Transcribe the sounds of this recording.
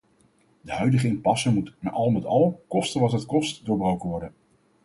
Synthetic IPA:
dəɦœɥdəχəɪmpɑsəmutna̰ʔɑlˠmətɑlˠkɔstənʋɑtɦətkɔstdʊːɹbrowkənʋɔɹdən

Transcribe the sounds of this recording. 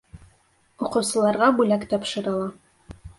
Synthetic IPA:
ŏqɤ̆wsɤ̆lˠɑɾʁɑbʉlækt̪ɒpʃɤ̆ɾɤ̆lˠɑ

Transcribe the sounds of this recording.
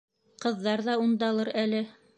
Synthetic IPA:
qɤ̆ðːɑɾðɑund̪ɑlˠɤɾælɘ

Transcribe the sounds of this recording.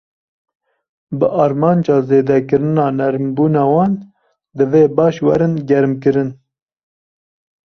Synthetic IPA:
bɨʔɑːɾmɑːnd͡ʒɑːzeːd̪ɛkɨɾɨnɑːnɛɾmbuːnɑːwɑːn | d̪ɨveːbɑːʃwɛɾɨnɡɛɾmkɨɾɨn

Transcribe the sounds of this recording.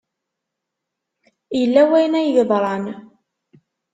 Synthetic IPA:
jəlːæwæjnæjʝəðˤɾˤɑn

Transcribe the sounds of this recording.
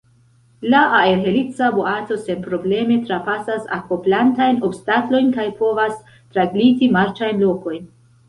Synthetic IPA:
laʔːeɾɦe̞lit͡saboato̞se̞npɾo̞ble̞me̞tɾapasasako̞plantajno̞bstaklo̞jnkajpo̞vas | tɾaɡlitimaɾt͡ʃajnlo̞ko̞jn

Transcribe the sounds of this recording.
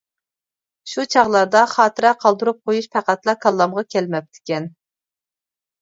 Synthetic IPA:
ʃut͡ʃʰɑʁlˠɑɾd̪ɑχɑːt̪ʰɨɾɛqʰɑlˠd̪uɾup̚qʰojuʃpʰæqæt̪lˠɑkʰɑlˠːɑmʁɑkʲʰɛlmɛp̚t̪ʰɪ̥kʲɛn

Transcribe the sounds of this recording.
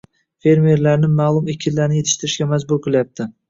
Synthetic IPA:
fe̞ɾme̞ɾlaɾnɪmaːlˠʊmekʲʰɪnlːaɾnɪje̞t̪ʰɪ̥ʃt̪ɪɾɪʃkʲamazbʊɾqʰɨlˠajap̚t̪ʰɪ

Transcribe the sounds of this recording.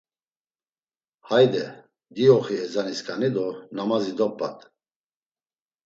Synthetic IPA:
hajd̪ɛ | d̪iɔχiɛzaniskʼanid̪ɔnamazid̪ɔpʼːa̰t̪ʼ

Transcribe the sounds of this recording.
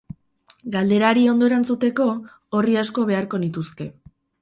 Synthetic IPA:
ɡald̪e̞ɾaɾio̞nd̪o̞e̞ɾant͡sut̪e̞ko̞ | oriasko̞β̞e̞aɾko̞nit̪uske̞

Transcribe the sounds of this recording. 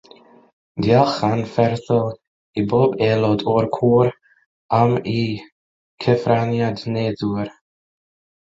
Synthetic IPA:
d̪jalˠχanfɛɾθəlˠ | iboːbɛːlɔdɔɾkʰuːɾ | ami | kʰɛfɾanjadneːduɾ

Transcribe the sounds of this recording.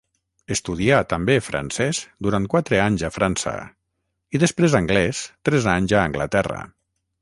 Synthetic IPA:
est̪uðiat̪əmbefɾʔa̰nsɛsd̪uɾant̪̚kwat̪ɾəaɲzafɾansə̰ | iðəspɾezaŋɡlɛst̪ɾɛzaɲzaːŋɡlət̪ɛrə̰

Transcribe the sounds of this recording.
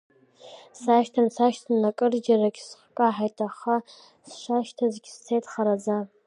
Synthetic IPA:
saʃtʰansaʃtʰanːakʼɨrd͡ʒaraɡʲsχʷkʼaħajtʰʼaχa | sʃʷaʃtʰazɡʲst͡sʰejtʰʼχaɾad͡za

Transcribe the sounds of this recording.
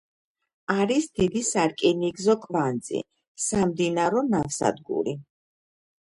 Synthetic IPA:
aɾisd̪̥id̪isaɾkʼiniɡzɔkʼvand̪zḭ | samd̪inaɾɔnafsa̰d̪ɡṵɾi

